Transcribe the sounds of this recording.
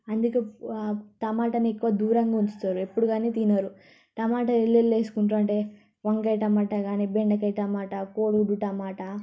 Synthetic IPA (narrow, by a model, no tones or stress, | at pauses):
ɐnd̪uke | t̪ɐmaːʈɐniekːuʋɐd̪uːɾɐŋɡaːuɲt͡ʃut̪aːɾue̞pːuɽuɡaːniːt̪inaːɾu | t̪ɐmaːʈɐelːeleːsu̥kuɳʈuɐɳʈe̞ | ʋɐŋkɐjʈɐmaːʈɐɡaːnibeɳɖɐkɐjʈɐmaːʈɐkoːɽuɽuʈɐmaːʈɐ